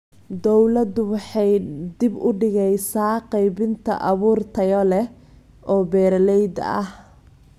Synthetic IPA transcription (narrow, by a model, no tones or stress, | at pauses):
d̪ɔwlɐd̪ʊwɑħɑjd̪ɪbʊɖɪɣɛjsaːqɑjbɪnt̪ʰɐ̰ʔɑβuːrt̪ʰɐjɔlɛ | ʔɔːbɛːɾɐlɛjd̪ɐ̰ɐh